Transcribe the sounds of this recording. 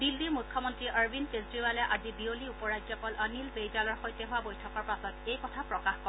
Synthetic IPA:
dilːiɹmukʰːɔmɔntɹiʔəɹbinkesɹibalɛʔazibioliupɔɹajd͡ʒzɔpɔlʔənilbejdalɔɹxojtɛɦʊabojtʰɔkɔɹpasɔtejkɔtʰapɹɔkaxkɔ

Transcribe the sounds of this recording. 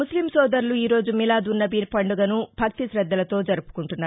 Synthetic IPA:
muslimsɔːd̪ɐɾluiːɾo̞ːd͡ʒumilaːd̪unːɐbipɐɳɖuɡɐnubʱɐk̚t̪iʃɾɐd̪ːɐlɐt̪o̞ːd͡ʒɐɾupu̥kuɳʈunːaː

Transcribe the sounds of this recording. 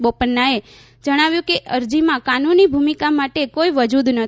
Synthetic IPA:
bopənːae | d͡ʒəɽ̃aʋjũkeʔəɾd͡ʒimãkanunibʱumikamaʈekoiʋəd͡ʒud̪nə

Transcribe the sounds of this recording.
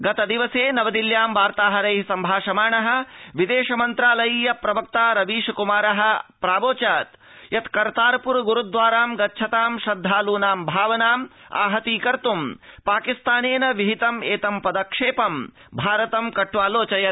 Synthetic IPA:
ɡɐt̪ɐd̪iʋɐseːnɐʋɐd̪iljaːmʋaːɾt̪aːɦɐɾɐjɦsɐmbʱaːʃɐmaːɳɐɦɐ̆ʋid̪eːʃɐmɐnt̪ɾaːlɐjiːjɐpɾɐbɐk̚t̪aːɾɐʋiːʃɐkumaːɾɐɦɐ̆pɾaːboːt͡ʃaːt̪ | jɐt̪kɐɾt̪aːɾɐpuɾɡuɾud̪ʋaːɾaːmɡɐtːt͡ʃʰɐt̪aːmʃɐd̪ʱːaːluːnaːmbʱaːʋɐnaːma̰ːɦɐt̪iːkɐɾt̪umpaːkist̪aːneːnɐʋiɦit̪ɐmeːt̪ɐmpɐd̪ɐkʂeːpɐm | bʱaːɾɐt̪ɐmkɐʈːʋaːloːt͡ʃɐjɐ

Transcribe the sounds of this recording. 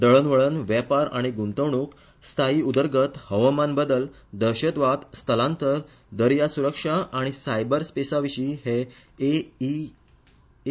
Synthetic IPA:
d̪əɭənʋəɭənʋɛpaɾa̰ɽ̃iɡunt̪əʋɳuk | st̪ʰaiːud̪əɾɡət̪həʋamanbəd̪əl | d̪əɾɕət̪ʋat̪st̪ʰəlãnt̪əɾ | d̪əɾjasuɾəkʂaʔːɽ̃isajbəɾspesaʋiɕiːɦe | e

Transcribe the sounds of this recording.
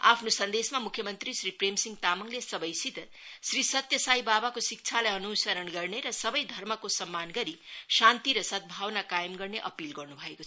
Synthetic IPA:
a̰pʰnosʌnd̪esmamukʰjʌmʌnt̪risripremsiŋɡt̪amʌŋlesʌbʌjsit̪ | srisʌt̪jʌsajbabakosik̚t͡sʰalajʌnusʌɾʌnɡʌrneɾʌsʌbʌjd̪ʱʌrmʌkosʌmːanɡʌɾisant̪iɾʌsʌt̪̚bʱawnakajmɡʌrneʔʌpilɡʌrnubʱʌekoʌ

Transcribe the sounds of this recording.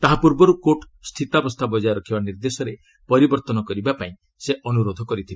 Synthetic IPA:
t̪aɦapuɾbɔɾukoʈ | st̪ʰit̪abɔst̪ʰabɔd͡ʒajɾɔkʰibaniɾd̪esɔɾe | pɔɾibɔɾt̪ɔnɔkɔɾibapaĩ | seʔɔnuɾod̪ʱɔkɔɾit̪ʰibe

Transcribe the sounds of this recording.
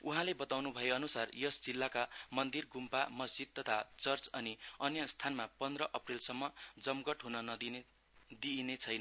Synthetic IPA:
uɦãlebʌt̪awnubʱʌjeʌnusarjʌsd͡zilːakamʌnd̪irɡumpamʌsd͡zid̪̚t̪ʌt̪ʰat͡sʌrt͡sʌniʌnjʌst̪ʰanmapʌnd̪rʌʔʌprilsʌmːʌd͡zʌmɡʌʈɦunʌnʌd̪i | d̪inet͡sʰʌjnʌ

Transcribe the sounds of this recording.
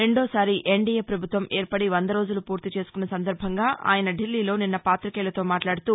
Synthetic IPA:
ɾe̞ɳɖoːsaːɾiʔeɳɖijeːpɾɐbʱut̪ʋɐmʔeːɾpɐɽiʋɐnd̪ɐɾo̞ːd͡ʒulupuːɾt̪it͡ʃeːsu̥kunːɐsɐnd̪ɐɾbʱɐŋɡaːʔa̰ːjɐnɐɖilːiːlo̞ːninːɐpaːt̪ɾikɛːlɐt̪o̞ːmaːʈlaːɽut̪uː

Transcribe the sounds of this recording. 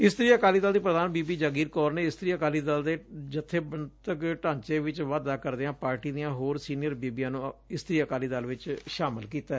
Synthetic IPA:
ɪst̪əɾiːəkaːliːd̪əld̪iːpɾəd̪aːnbiːbiːd͡ʒaːɡiːɾkɔːɾneːɪst̪ɾiːəkaːliːd̪əld̪eːd͡ʒɪt̪ʰːeːbənt̪əkʈãːɲt͡ʃeːʋɪt͡ʃʋaːd̪aːkəɾd̪eːãːpaːɾʈiːd̪ɪjãːɦoːɾsiːnɪjəɾbiːbijãːnũːɪst̪ɾiːəkaːliːd̪əlʋɪt͡ʃʃaːmɪlkiːt̪aɛ

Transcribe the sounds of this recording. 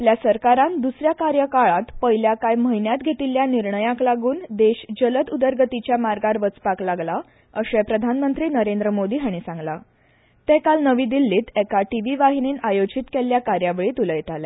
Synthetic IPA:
apljasəɾkaɾãnd̪usɾjakaɾjəkaɭat̪pəɦiljakajməɦinjat̪ɡʱet̪iljaniɾɳəjãklaɡuːnd̪eɕd͡ʑələt̪ud̪əɾɡət̪it͡ɕjamaɾɡaɾʋət͡spaklaɡla | əɕɛpɾəd̪ʱanmənt̪ɾiːnəɾend̪ɾəmod̪iːɦaɽ̃isãŋɡla | t̪ekalnəʋiːd̪ilːiːt̪ɛkaʈiʋiʋaɦiniːnajod͡ʑiːt̪kelːjakaɾjaʋeɭiːt̪uləjt̪alɛ

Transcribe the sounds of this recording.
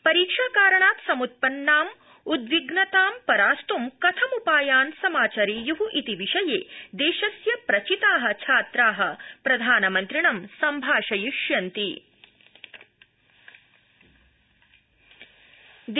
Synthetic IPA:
pɐɾiːkʂaːkaːɾɐɳaːt̪sɐmut̪̚pɐnːaːm | ud̪ʋiɡnɐt̪aːmpɐɾaːst̪umkɐt̪ʰɐmupaːjaːnsɐmaːt͡ʃɐɾiːjuɦuʔit̪iʋiʂɐjḛːd̪eːʃɐsjɐpɾɐt͡ʃit̪aːɦɐ̆t͡ʃʰaːt̪ɾaːɦɐpɾɐd̪ʱaːnɐmɐnt̪ɾiɳɐmsɐmbʱaːʃɐjuʃjɐnt̪i | d̪

